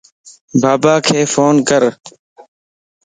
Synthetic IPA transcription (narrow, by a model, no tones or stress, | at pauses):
baːbaːkʰeːfoːnkəɾ